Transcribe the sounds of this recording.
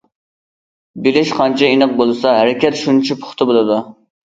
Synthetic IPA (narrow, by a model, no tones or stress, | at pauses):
bilɪʃqʰɑnt͡ʃʰɛinəq̚bolˠɨsɑɦæɾɪkʲɛt̪ʃunt͡ʃʰipʰʊ̥χt̪ʰɨbolˠɨd̪u